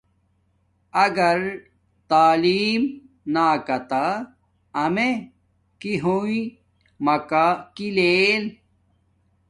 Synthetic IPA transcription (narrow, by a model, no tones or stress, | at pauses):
ɐɡɐɾ | t̪aːliːm | naːkɐt̪aː | me | kiɦui | mɐkakileːl